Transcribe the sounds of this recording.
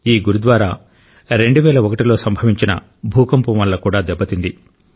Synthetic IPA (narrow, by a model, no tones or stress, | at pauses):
iːɡuɾud̪ʋaːɾaː | ɾe̞ɳɖuʋɛːlɐɔkɐʈilo̞ːsɐmbʱɐʋiɲt͡ʃinɐ̰ | bʱuːkɐmpumʋɐlːɐkuːɽaːd̪ɛbːɐt̪ind̪i